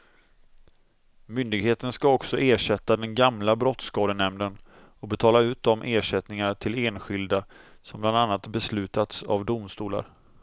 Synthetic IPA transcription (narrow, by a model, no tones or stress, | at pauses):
mʏnd̪ɪɡɦeːt̪ənskaɔksɔʔeːʂɛt̪ːad̪ɛnɡamlabɾɔt̪skɑːd̪ənɛmnd̪ən | ɔkbɛt̪ʰɑːlaʉ̟ːt̪̚d̪ɔmʔeːʂɛt̪nɪŋaʈʰɪleːnɧɪld̪asɔmbland̪anːat̪bɛslʉ̟ːt̪at̪sa̰vd̪ʊmst̪uːla̰ɾ